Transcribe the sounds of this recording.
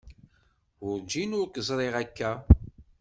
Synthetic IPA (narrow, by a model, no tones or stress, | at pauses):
ʊɾd͡ʒinʊɾkəzˤɾˤeʁækːæ